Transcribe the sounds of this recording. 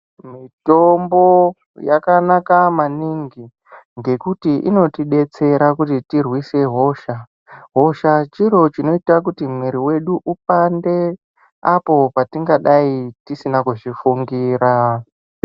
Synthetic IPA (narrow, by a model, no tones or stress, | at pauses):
mito̞mbo̞ | jakanakamaniŋɡi | ŋɡe̞kutiʔḭno̞tiɗe̞t͡se̞ɾakutitirwise̞ɦo̞ʃa | ɦo̞ʃat͡ʃiɾo̞t͡ʃino̞itak̬utimweɾiwe̞ɗuʔup̚ande | apo̞patiŋɡaɗaitisinakuʐifuŋɡiːɾa